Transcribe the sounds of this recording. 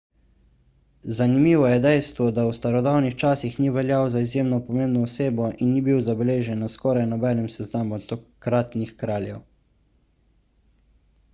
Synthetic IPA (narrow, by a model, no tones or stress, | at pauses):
zanimiːʋɔjɛd̪ɛjst̪ʋɔd̪awst̪aɾɔd̪awnixt͡ʃaːsixniʋɛljawzaizjeːmnɔpɔmeːmbnɔɔseːbɔʔinːibiwzabɛleːʒɛnːaskɔːɾajnɔbɛːnɛmsɛznaːmɔt̪ɔkɾat̪nixkɾaːljɛw